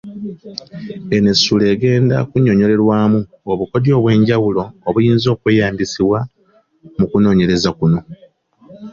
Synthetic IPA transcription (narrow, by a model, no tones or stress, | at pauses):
e̞nesule̞ːɡe̞ːnda̰kuɲo̞ɲo̞ɾe̞ɾwaːmu | oβuko̞djo̞ːβwe̞ːɲɟawulo̞ːβujiːnzo̞ːkwe̞ːjaːmbisiβwa | mukuno̞ːɲe̞ɾe̞zakuno̞